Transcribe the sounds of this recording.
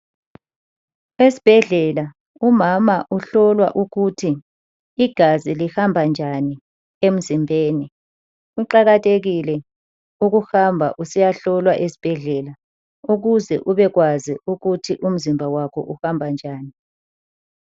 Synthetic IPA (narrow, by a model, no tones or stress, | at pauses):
esi̥b̥ʱɛɮɛla | umamaʔuɬɔlwaʔuɣutʰiː | ɡ̥ʱazilihambʱand͡ʒʱani | em̩zimbʱeːni | ɣuǃaɣatʰeɣilɛ | uɣuxambʱa̰ʔusijaɬɔlwaʔesi̥b̥ʱɛɮɛla | uɣuzɛ̰ʔuβɛɣwaziuɣutʰiʔum̩zimbʱawakʰɔ̰ʔuhambʱand͡ʒʱaːni